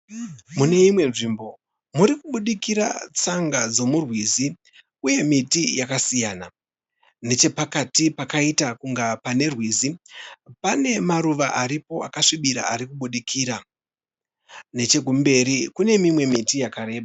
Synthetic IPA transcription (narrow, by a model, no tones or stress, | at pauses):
mune̞imwe̞nʐiːmbo̞ | muɾikuɓuɗikiɾa̰t͡saŋɡad͡zo̞murwizi | uje̞mitijakasijaːna | ne̞t͡ʃe̞pakatipakaitakuŋɡapane̞rwiːzipane̞maɾuʋaʔaɾipo̞a̰kaʂiɓiɾa̰aɾikuɓuɗikʰiːɾa | ne̞t͡ʃe̞ɡʱumbe̞ɾikune̞mimwe̞mitijakaɾe̞ːɓa